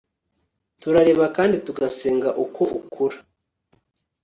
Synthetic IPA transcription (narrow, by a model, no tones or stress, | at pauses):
tuɾaɾe̞ːβakaːndituɡaseːŋɡaʔuko̞ukʰuɾḁ